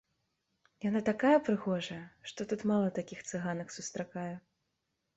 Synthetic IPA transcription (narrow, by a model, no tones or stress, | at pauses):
janat̪akajɐpɾɨɣɔʐɐjɐʂt̪ɔt̪ut̪malˠɐt̪akʲixt̪sɨɣanɐxsust̪ɾakajɛ